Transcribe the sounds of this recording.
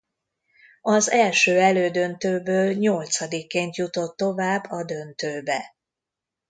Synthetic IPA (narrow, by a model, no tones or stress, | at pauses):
ɒzɛlʃøːɛløːd̪ø̞nt̪øːbøːlɲo̞lt̪sɒd̪ikːeːnt̪jut̪o̞t̪ːo̞vaːbːɒd̪ø̞nt̪øːbɛ